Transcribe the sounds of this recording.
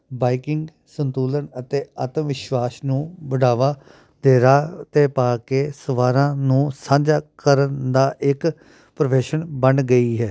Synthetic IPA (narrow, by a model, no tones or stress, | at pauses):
baːikɪŋɡ | sənt̪uːlənət̪eːət̪əmʋɪʃʋaːsnũːbəɽaːʋaː | d̪eːɾaːt̪eːpaːkeːsəʋaːɾãːnũːsãːɲd͡ʒaːkəɾənd̪aːʔɪk | pɾəʋeːʃənbənɡəiːɦɛː